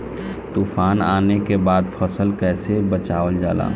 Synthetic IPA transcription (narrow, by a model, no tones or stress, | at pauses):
t̪uːfaːnaːnekebaːd̪fʰəsəlkɛːsebət͡ʃaːʋəld͡ʒa̰ːla̰ː